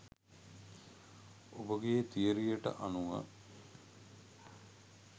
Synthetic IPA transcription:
obəɡeːt̪ijəɾijəʈə̰ʔanuŋə̰

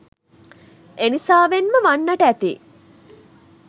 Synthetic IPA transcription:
enisaːʋenməʋanːaʈəæt̪ḭː

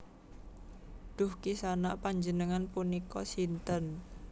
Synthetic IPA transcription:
d̪̥ʊhkisanaʔpaɲd͡ʒənəŋanpunikɔ̰sint̪ən

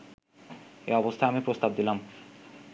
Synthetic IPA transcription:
ḛɔbost̪ʰaeamipɾost̪ab̚d̪ilam

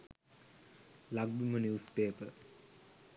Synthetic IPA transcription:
laɡ̚bimənjuːspeːpə̰

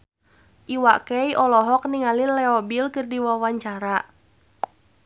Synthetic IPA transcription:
ʔiwakɛjʔɔlɔɦɔk̚niŋalinlɛɔbilkɨrdiwawaɲt͡ʃaɾa

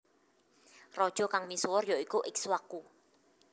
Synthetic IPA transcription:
rɔd̥ʒ̥ɔkaŋmisuwʊrjɔikuʔɪk̚swaku

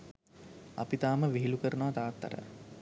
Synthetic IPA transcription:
a̰pit̪aːməʋiɦilukəɾənoʋat̪aːt̪ːa̰ɾə̰

